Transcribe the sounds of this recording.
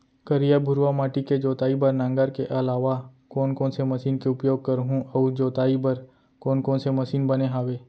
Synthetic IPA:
kəɾijabʱʊɾʋamaːʈiked͡ʒoːt̪aːibəɾnãːŋɡəɾkeʔɐlaːʋakɔːnkɔ̃ːnsemɐsiːnkeʊpjoːɡ̚kɐɾɦũɔʊd͡ʒoːt̪aːibɐɾ | kɔːnkɔ̃ːnsemɐsiːnbɐneɦaːʋeː

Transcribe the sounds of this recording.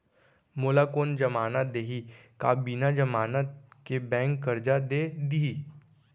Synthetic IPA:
moːlakoːnd͡ʒəmaːnad̪eːɦika̰ːbiːnad͡ʒəmaːnət̪̚kebɛ̃ːŋkːəɾd͡ʒad̪ed̪iɦiː

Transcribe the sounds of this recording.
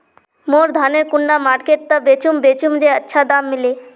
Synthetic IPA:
moɾd̪ʱaneɾkunːamaɾkeʈ̚t̪abet͡ɕumbet͡ɕumd͡ʑeətːɕʰad̪amːile

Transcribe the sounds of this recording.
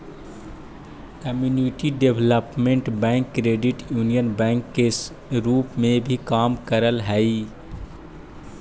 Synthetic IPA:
kəmjuːniʈiɖebləpmẽɳʈbɛ̃ːŋkːɾeːɖɪʈjuːnijənbɛ̃ːŋkːe | ɾuːpmẽbʱikaːmkəɾəlɦɛi

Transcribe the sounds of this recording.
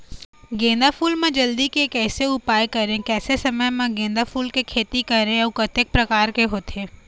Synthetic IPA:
ɡẽːnd̪afuːlmẽd͡ʒɐld̪ikekɛːseʊpaːjkɐɾẽkɛːsesɐməjmãɡẽːnd̪afuːlkekʰeːt̪ikɐɾẽɔʊkɐt̪ɪk̚pɾɐkaːɾkeɦoːt̪ʰeː

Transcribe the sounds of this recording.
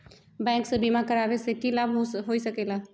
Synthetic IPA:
bɛ̃ːŋksebimakɐɾaːʋesekilabʱɦoːisɐkeːlaː

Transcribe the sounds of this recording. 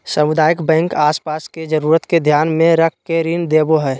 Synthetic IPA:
səmʊd̪aːjəkbɛ̃ːŋkaːspaːsked͡ʒəɾuːɾət̪ked̪ʱjaːnmẽɾək̚ʰkeɾiːnd̪eːboɦɛː

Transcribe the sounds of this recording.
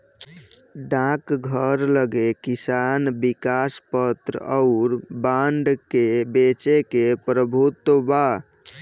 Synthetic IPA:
ɖãkɡʱəɾləɡekisanbikaspət̪ɾɔʊɾbaɳɖkebet͡ʃekepɾəbʱut̪wəba

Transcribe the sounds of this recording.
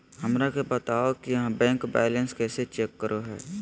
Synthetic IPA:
hɐmɾakebət̪aːokijɦãbɛ̃ːŋkbɛ̰ːlə̃nskɛːset͡ʃeːkːəɾʔoɦɛ̰ː

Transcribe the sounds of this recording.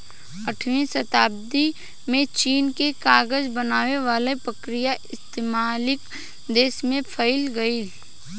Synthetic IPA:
əʈʰʋĩsɐt̪aːb̚d̪i | mẽt͡ʃiːnkekaːɡəd͡ʒbənaːʋeʋaːlepɾəkɾɪjaʔɪst̪eːmaːlɪk | d̪eːsmẽpʰəɪlɡɐiː

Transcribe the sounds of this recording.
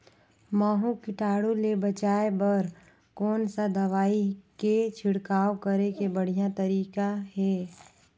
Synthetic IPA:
maːɦũkɪʈaːɽolebət͡ʃaːebɐɾ | kɔːnsad̪ɐʋaːiket͡ʃʰɪɽkaːokəɾekebəɽ̤ijat̪ɐɾiːkaɦɛː

